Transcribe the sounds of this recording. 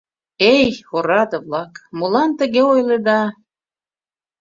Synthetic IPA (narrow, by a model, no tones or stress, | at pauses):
ejxoɾɑd̪ə̆βlɑkmulɑnt̪ə̆ɣeojled̪ɑ